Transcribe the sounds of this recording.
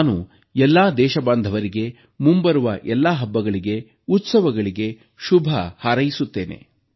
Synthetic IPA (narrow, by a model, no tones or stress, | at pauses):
nu | ɛlːaːd̪ɛːʃɐbaːnd̪ʱɐʋɐɾiɡe̞ | mumbɐɾuʋɐʔɛlːaɦɐbːɐɡɐɭiɡe̞ | ut̪sɐʋɐɡɐɭiɡe̞ | ʃubʱɐhɐɾɐjisut̪ːe̞ːne̞̰